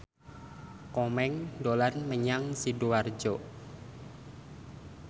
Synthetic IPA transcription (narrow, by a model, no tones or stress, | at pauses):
komɛŋdolanməɲaŋsiduward͡ʒɔ